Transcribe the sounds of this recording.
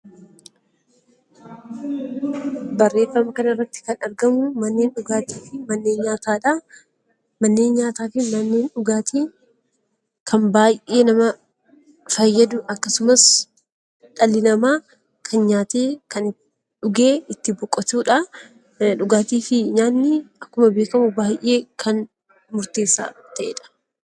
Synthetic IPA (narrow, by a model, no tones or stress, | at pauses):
bɐrːe̞ːfːɐmɐkɐnɐɪrːɐt̪ːɪ̥kɐnɐɾɡɐmʊmɐnːeːnᶑʊɡaːt̪iːfɪmɐnːe̞ːnɲaːt̪aːᶑɐ | mɐnːe̞ːnɲaːt̪aːfɪmɐnːeːnᶑʊɡaːt̪ʰiː | kʰɐmbaːjʔe̞ːnɐmɐ | fɐjːɐd̪ʊɐkːɐsʊmɐs | ᶑɐlɪnɐmaː | kʰɐnɲaːt̪eːkɐn | ᶑʊɡe̞ːɪt̪ːɪbɔkʼːɔt̪uːᶑɐ | ᶑʊɡaːt̪iːfɪɲaːnːɪɐkːʊmɐbe̞ːkɐmʊbaːjʔʔe̞ːkʰɐn | mʊɾt̪e̞ːsːa̰ːt̪ɐʔḛːᶑɐ̥